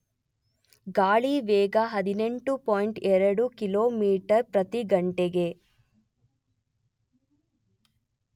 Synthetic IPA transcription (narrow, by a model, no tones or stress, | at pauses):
ɡaːɭiʋeːɡaɦɐd̪ine̞ɳʈupoːjɳʈɛɾɐɽukiloːmiːʈɐɾpɾɐt̪iɡɐɳʈeɡe̞